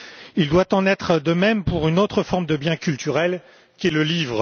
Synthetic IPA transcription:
ild̪wat̪ɑ̃nɛt̪χəd̪əmɛmpuʁynot̪χəfɔʁmd̪əbjɛ̃kʲylt̪ʰyʁɛl | kʲɛləlivʁ

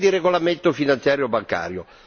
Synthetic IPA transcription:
d̪iɾeɡolament̪ofinant̪sjaːɾjobaŋka̰ːɾjo

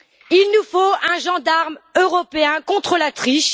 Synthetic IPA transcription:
ilnufoɛ̃ʒɑ̃d̪aʁmøʁɔpeɛ̃kɔ̃t̪χəlat̪χiʃ

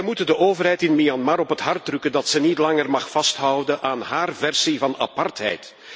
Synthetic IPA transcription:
ɛjmutəndəʔoːvərɦɛjtɪnmiɑnmaɾɔpətɦɑrt̚drɵkəndɑtsənitlɑŋərmɑxfɑstɦʌwdəʔaːnɦaːrvɛrsivɑna̰pɑrtɦɛ̰jt

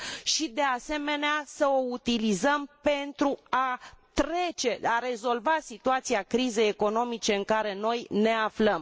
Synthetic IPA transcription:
ʃid̪e̞ase̞me̞neasəo̞ut̪ilizəmpe̞nt̪ɾuat̪ɾe̞t͡ʃe̞aɾe̞zo̞lvasit̪uat̪siakɾize̞jeko̞no̞mit͡ʃe̞ɨŋkaɾe̞no̞jne̞afləm

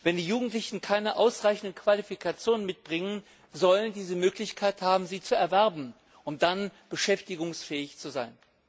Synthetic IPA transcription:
vɛndiːjuːɡŋ̩tlɪçn̩kʰaɪnəʔaʊsʁaɪçn̩dəkv̥alifikʰat͡sjoːnmɪt̚b̥ʁɪŋən | zɔləndiːzəmøːklɪçkʰaɪthaːbm̩ziːt͡suɛɐvɛɐbm̩ | ʔʊmd̥anb̥əʃɛftɪɡʊŋsfɛːɪçt͡suzaɪn

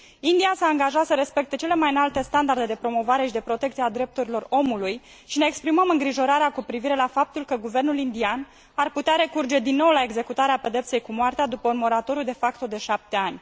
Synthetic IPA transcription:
ind̪iasaːŋɡaʒat̪səɾe̞spe̞k̚t̪et͡ʃe̞le̞majɨnalt̪e̞st̪and̪ard̪e̞d̪e̞pɾo̞mo̞vaɾe̞ʃid̪epɾo̞t̪e̞k̚t̪iad̪ɾe̞p̚t̪uɾilo̞ro̞muluj | ʃine̞ːkspɾiməmɨŋɡɾiʒo̞ɾaɾeakupɾiviɾe̞lafap̚t̪ulkəɡuve̞rnulind̪ian | arput̪eaɾe̞kurd͡ʒe̞d̪inːo̞wlae̞ɡze̞kut̪aɾeape̞d̪e̞p̚t̪se̞jkumoart̪ead̪upəunmo̞ɾat̪o̞ɾjud̪e̞fakt̪o̞d̪e̞ʃap̚t̪e̞anʲ

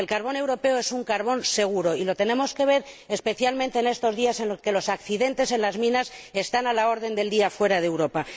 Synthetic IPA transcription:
elkaɾβo̞ne̞wɾo̞pe̞oe̞suŋkaɾβ̞o̞nse̞ɣ̞uɾo̞ilo̞t̪e̞nẽ̞mo̞ske̞β̞e̞ɾespe̞θjalmẽnt̪e̞ːne̞st̪o̞zðiase̞nloske̞lo̞sakθiðe̞nt̪e̞se̞nlazmĩnase̞st̪analao̞ɾðe̞nd̪e̞ld̪iafwe̞ɾaðe̞wɾo̞pa

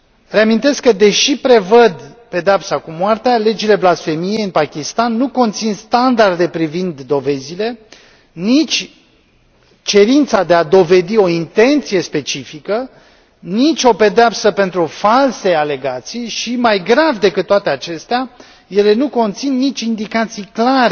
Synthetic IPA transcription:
re̞amint̪e̞skːəd̪e̞ʃipɾe̞vəd̪pe̞d̪eapsakumwart̪eale̞d͡ʒile̞blasfe̞mije̞jɨnpakʲist̪anːuko̞nt̪sinst̪and̪ard̪e̞pɾivind̪ːo̞ve̞zile̞ | nit͡ʃʲ | t͡ʃe̞ɾint̪sad̪e̞ad̪o̞ve̞d̪io̞int̪e̞nt̪sije̞spe̞t͡ʃifikə | nit͡ʃʲo̞pe̞d̪eapsəpe̞nt̪ɾufalse̞ale̞ɡat̪sijʃimajɡɾavd̪e̞kɨt̪ːoat̪e̞at͡ʃe̞st̪ea | je̞le̞nuko̞nt̪sinːit͡ʃʲind̪ikat̪sijklaɾe

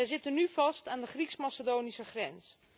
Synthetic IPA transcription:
ɛjzɪtənyfɑstaːndəχriksmasədoːnisəχrɛns

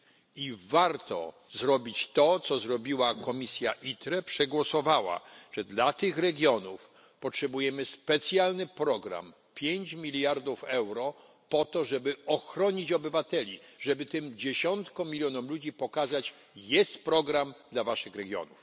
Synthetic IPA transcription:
ivaɾt̪ɔ̰ | zɾɔbʲit͡ɕt̪ɔt̪sɔzɾɔbʲiwakɔmʲisʲjaʔit̪ɾɛpʂɛɡwɔsɔvawa̰ʐ̥ɛd̪lat̪ɘxɾɛɡʲjɔnuf | pɔtʂɛbujɛmɘspɛt̪sʲjalnɘpɾɔɡɾa̰m | pʲjeɲt͡ɕmʲilʲjaɾd̪ufɛwɾɔ | pɔt̪ɔʐɛbɘɔxɾɔɲit͡ɕɔbɘvat̪ɛlʲiʐɛbɘt̪ɘmd͡ʑeɕɔnt̪kɔ̃mʲilʲjɔnɔmlud͡ʑipɔkazat͡ɕ | jɛst̪pɾɔɡɾamd̪lavaʂɘxɾɛɡʲjɔ̰nuf

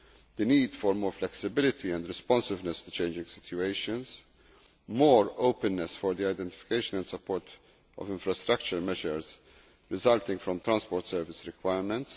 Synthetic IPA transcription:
d̪̥əniːd̪fɔɾmɔːɾflɛksɪbɪlɪt̪ʰiɛ̃nd̪ɾɪspɔ̃nsɪvnɛst̪u̥t͡ʃẽɪnd͡ʒɪ̃ŋɡsɪ̥t̪ʰjueɪʃə̃ns | moːɾoʊpɛ̃nːɛsfɔɾd̪iaɪd̪ɛ̃nt̪ɪfɪ̥keɪʃənɛ̃nd̪sɐpʰːɔːɾt̪ | ɔ̰vɪ̃ɱfɾɐst̪ɾɐk̚t͡ʃəɾmɛʒəɾz | ɾɪzɐlt̪ɪ̃ŋɡfɾɔ̃mt̪ɾãnspɔːɾt̪sɛːɾvɪsɾɪkwajɾmɛ̃nt̪s

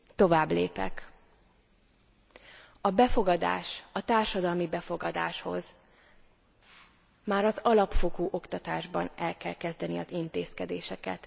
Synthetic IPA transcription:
t̪o̞vaːbleːpɛ̰k | ɒbɛfo̞ɡɒd̪a̰ːʃɒt̪aːrʃɒd̪ɒlmibɛfo̞ɡɒd̪a̰ːʃho̞z | maːɾɒzɒlɒpfo̞ɡoːʔo̞kt̪ɒt̪aːʒbɒ̰nɛlkɛlkɛzd̪ɛniɒzint̪eːskɛd̪eːʃɛkɛ̰t̪

